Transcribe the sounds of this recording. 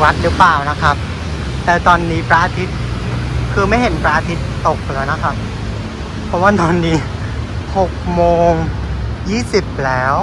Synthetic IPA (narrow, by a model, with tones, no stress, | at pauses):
wa˦˥t̪̚ɾɯː˦˥plaː˨˩wna˦˥kʰa˦˥p̚ | t̪ɛː˨˩t̪ɔː˧nːiː˦˥pʰɾa˦˥ʔaː˧t̪ʰi˦˥t̪̚kʰɯː˧ma˥˩jɦe˨˩˦npʰɾa˦˥ʔaː˧t̪ʰi˦˥t̪̚ːo˨˩k̚lɛː˦˥wna˦˥kʰa˦˥p̚ | pʰːɔ˦˥mwaː˥˩t̪ɔː˧nːiː˦˥ | ho˨˩k̚moː˧ŋ | jiː˥˩si˨˩p̚lɛː˦˥w